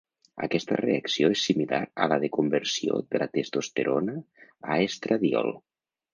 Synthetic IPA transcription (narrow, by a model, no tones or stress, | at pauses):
a̰kɛst̪əreaksioesːimilaɾəlaðekumbeɾsio̰ðəlat̪est̪ost̪eɾʔonəaest̪ɾaðiɔ̰lˠ